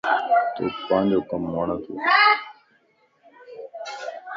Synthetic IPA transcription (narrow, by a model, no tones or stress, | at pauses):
t̪o̰ːkpãːnd͡ʒoːkəmːaːɳət̪ʰo̰ː